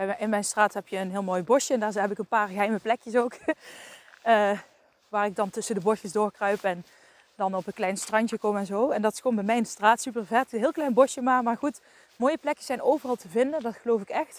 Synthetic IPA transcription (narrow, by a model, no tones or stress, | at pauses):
bɛmɪnmɛjnstraːtɦɛpjəːnɦɪːlˠmoːjbɔʃjəndaːɹɦɛbɪkənpaːɹɣəɦɛjməplɛkjəsowk | əː | ʋaːɹɪɡ̚dɑntɵsəndəbɔʃəsdʊːɹkrœɥpɛn | dɑnɔpənklɛjnstrɑntjəkomɛnzowɛndɑtɪ̥sxoːnbɛjmɛjndəstraːtsypərvɛtɦɪːlˠklɛjnbɔʃjəmaːmaːɹχut | moːjəplɛkjəsɛjnowvərɑlˠtəvɪndəndɑtxəlowfɪkɛxt